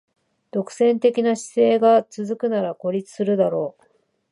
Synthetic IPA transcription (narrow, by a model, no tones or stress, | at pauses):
d̪̥o̞kɯ̟̥sẽ̞nt̪e̞kʲinaɕi̥se̞ːɡat͡sɨzɨkɯ̟naɾako̞ɾʲit͡sɨ̥sɨɾɯ̟d̪aɾo̞ː